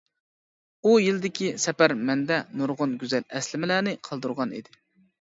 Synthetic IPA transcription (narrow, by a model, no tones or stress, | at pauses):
ujild̪ɪkʲisɛpæɾmɛnd̪ɛnuɾʁʊnɡʲyzælɛslɪmɪlæːnɪqʰɑlˠd̪uɾʁɑnḭd̪ɪ